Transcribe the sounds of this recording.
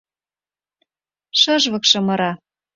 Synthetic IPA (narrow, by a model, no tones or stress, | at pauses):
ʃɤ̆ʒβɤ̆kʃɤ̆mɤ̆ɾɑ